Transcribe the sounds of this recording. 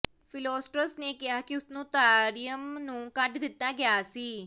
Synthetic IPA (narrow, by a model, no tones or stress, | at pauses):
fɪloːsʈɾəsnekɪɦaːkiʊsnũːt̪aːɾijəmnũːkɐʈd̪ɪt̪ːaɡɪjaːsiː